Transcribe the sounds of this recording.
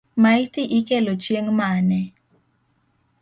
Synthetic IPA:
maitɪʔikelot͡ʃjeŋmanɛ

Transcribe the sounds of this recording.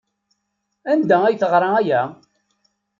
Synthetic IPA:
ænd̪ææjθəʁɾˤɑæjæ

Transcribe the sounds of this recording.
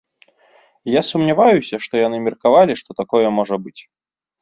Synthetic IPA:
jasumnʲavajusʲɐʂt̪ɔjanɨmʲɐrkavalʲiʂt̪ɔt̪akɔjɛmɔʐɐbɨt͡sʲ

